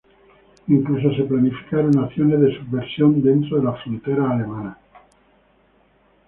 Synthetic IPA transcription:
iŋklus̬ose̞planifi̥kaɾo̞naθjo̞ne̞zðe̞subbeɾsjo̞nd̪e̞nt̪ɾoðelafɾont̪eɾaːle̞mana

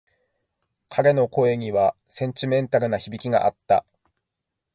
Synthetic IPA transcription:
kʰaɾe̞no̞ko̞e̞ɲ̟iβa | sẽɲ̟t͡ɕimẽ̞nt̪aɾɯ̟naçibʲikʲiɡa̰ʔat̪ːa̰

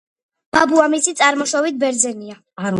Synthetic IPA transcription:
b̥abuamisit̪sʼaɾmɔʃɔvit̪̚bɛɾd̪zɛnia | aɾ

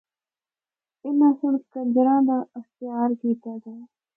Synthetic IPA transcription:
ɪnãːsʊɳkənd͡ʒɾãːd̪aːəxt̪ɪjaːɾkiːt̪aːd̪aː

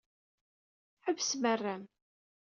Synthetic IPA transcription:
ħəvːsmərːæn

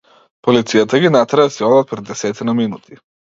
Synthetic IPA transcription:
polit̪sijat̪aɡinat̪ɾaasiɔlat̪̚pɾɛd̪ːɛsɛt̪inaminut̪ʰi

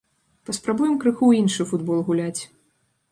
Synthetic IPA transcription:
pɐspɾabujɛmkɾɨxuinʂɨfud̪bɔlˠɣulʲat͡sʲ

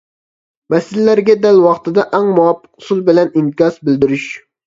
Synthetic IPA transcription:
mɛsɪlɪlæɾɡʲɛd̪ælwɑχt̪ɨd̪ɑʔæŋmuwɑpʰːə̥qʊ̥sulˠbɪlɛniŋkʲɑsbɪld̪ɪɾyʃ

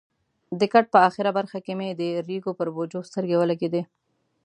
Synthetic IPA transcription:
d̪əkaʈ̚pəaxɪɾabaɾxakemed̪əɾiɡopəɾbod͡ʒost̪əɾɡewəlaɡed̪e

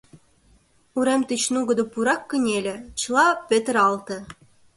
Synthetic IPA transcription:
uɾemt̪ɨt͡ɕnuɡə̆d̪ɤ̆puɾɑkːə̆nʲelʲɘ̆t͡ɕlˠɑpʲet̪ə̆ɾɑlt̪ɤ̆

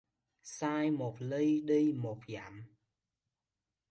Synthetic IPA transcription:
saːjmɔp̚ʰləjɗəjmɔpʰja̰m

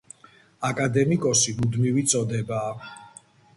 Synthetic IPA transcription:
akʼad̪ɛmikʼɔsimud̪mivit̪sʼɔd̪ɛbaː

